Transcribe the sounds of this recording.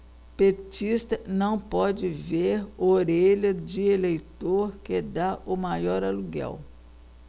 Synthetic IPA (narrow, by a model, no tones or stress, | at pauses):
pet͡ʃist̪ɐnɐ̃w̃pɔd͡ʒɪveɾoɾeʎɐd͡ʒɪelejt̪oɾked̪aʔʊmajɔɾaluɡɛ̰w